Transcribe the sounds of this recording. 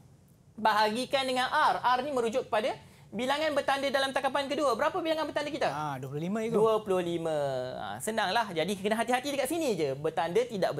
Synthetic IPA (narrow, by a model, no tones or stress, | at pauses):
baɦaɡikandəŋãnʔararnimə̃ɾud͡ʒʊʔ̚kə̥pada | bilaŋãnbərt̪andədalamt̪akapankəduəbəɾapəbilaŋanbərt̪andəkit̪aaduəpulʊlimə̃iduəpulʊhlimə̃ə̰sənaŋlahd͡ʒadikənaɦat̪iɦat̪idəkat̪sinid͡ʒəbərt̪andət̪idaʔbə